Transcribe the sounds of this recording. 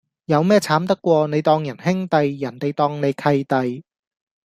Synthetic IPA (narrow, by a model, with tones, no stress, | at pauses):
jɐ˨˧wmɛː˥t͡sʰaː˨˥mt̪ɐ˥kːʷɔː˧ne˨˧jt̪ɔː˧ŋjɐ˨˩nhɪ˥ŋt̪ɐ˨jjɐ˨˩nt̪e˨jt̪ɔː˧ŋne˨˧jkʰɐ˧jt̪ɐ˨j